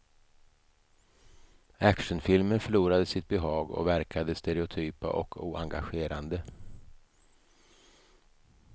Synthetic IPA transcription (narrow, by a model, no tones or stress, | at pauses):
ækʂənfɪlmənfœɭuːɾad̪əsɪt̪̚bɛɦɑːɡɔ̰væɾkʰad̪əst̪ɛɾɛʊt̪ʰyːpa̰ʔɔ̰kʰṵːa̰ŋɡaɧeːɾand̪ə